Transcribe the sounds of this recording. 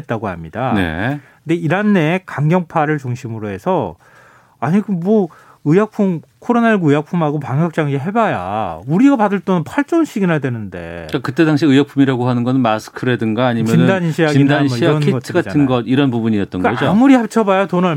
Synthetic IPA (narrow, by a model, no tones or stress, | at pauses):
t̚t͈aɡoha̰mɲidane̞̰kɯnde̞iɾanːe̞kaŋɡjʌŋpʰaɾɯɭt͡ɕuŋɕʰimɯɾoɦe̞sʰʌ | aɲiɡɯmmʌ | ɯjak̚pʰumkʰoɾonaiɭɡɯjak̚pʰumɦaɡopaŋɦjʌk̚t͡ɕ͈aŋeɦe̞baja̰uɾiɡapadɯɭt͈ʌnnpʰaɭt͡ɕ͈onɕʰiɡinadwe̞nɯnde̞̰kakɯt͈e̞daŋɕ̬ʰiɯjʌk̚pʰumiɾaɡoɦanɯnɡʌnɯnmasʰɯ̥kʰɯɾedɯnɡaːɲimjʌinɯdaɲinɕʰijaɡiidaɲimijaʌnkiɡʌtʰɯɡatʰɯnɡʌdiɾʌnpubuɲiʌt̚t͈ʌnɡkaʌd͡ʑomuɾihapt͡ɕʰʌbajatona